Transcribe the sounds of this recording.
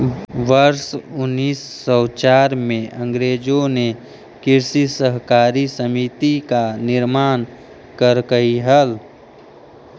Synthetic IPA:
ʋəɾsʊnːiːsːɔːt͡ʃaːɾmẽə̃ŋɡɾeːd͡ʒõne | kɪɾsisəɦkaːɾisəmit̪ikanɪɾmaːn | kəɾkəɦiɦəl

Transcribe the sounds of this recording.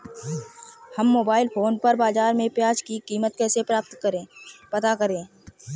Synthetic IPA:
hɐmːoːbaːɪlpʰoːnpəɾbaːzaːɾmẽpjaːd͡ʒkikiːmət̪̚kɛːsepɾaːp̚t̪kəɾẽːpət̪akəɾẽː

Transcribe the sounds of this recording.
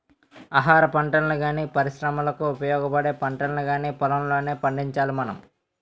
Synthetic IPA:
aːɦaːɾɐpɐɳʈɐnɐluɡaːniːpɐɾiʃɾɐmɐlɐkuːpɐjɔːɡɐpɐɽeːpɐɳʈɐnɐluɡaːniːpɔlɐmloːneːpɐɳɖiɲt͡ʃaːlimɐnɐ̰m

